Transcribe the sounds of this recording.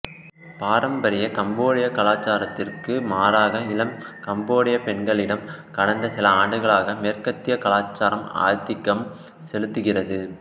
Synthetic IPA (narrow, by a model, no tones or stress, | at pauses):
paːɾɐmbɐɾɪjɐkɐmboːɽɪjɐkɐlaːt͡ʃːaːɾɐt̪ːɪrkɯmaːɾaːɣɐɪlɐmkɐmboːɽɪjɐpɛɳɡɐɭɪɽɐmkɐɽɐnd̪ɐsɪlɐaːɳɖɯɣɐɭaːɣɐmeːrkɐt̪ːɪjɐkɐlaːt͡ʃːaːɾɐma̰ːɾt̪ːɪkːɐm | sɛlɯt̪ːɯɣɪrɐðɯ